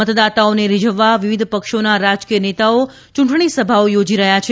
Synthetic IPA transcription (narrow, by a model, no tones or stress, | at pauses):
ət̪d̪at̪aoneɾid͡ʒəʋːaʋiʋid̪ʱpəkʃonaɾad͡ʒkijənet̪ao | t͡ʃũʈɳ̃isəbʱaojod͡ʒiɾəɦjat͡ʃʰ